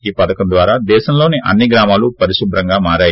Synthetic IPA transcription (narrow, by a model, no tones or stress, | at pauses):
iːpɐd̪ɐkɐmd̪ʋaːɾaːd̪ɛːʃɐmlo̞ːniʔɐ̰nːiɡɾaːmaːlupɐɾiʃubɾɐŋɡaːmaːɾaːj